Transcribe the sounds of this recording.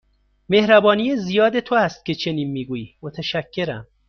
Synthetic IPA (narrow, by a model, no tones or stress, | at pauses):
me̞hɾæbɒːnijezijɒːd̪e̞t̪ʰoæst̪̚cʰʲe̞t͡ʃʰe̞niːnmiːɡuːjiːmot̪ʰæʃæcʰːe̞ɾæ̰m